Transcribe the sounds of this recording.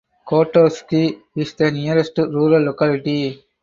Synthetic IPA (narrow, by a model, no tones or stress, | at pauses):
koːʈoːskihisʈ̪ɐnijɐɾesʈuɾuːɾɐlːɔkaːliʈi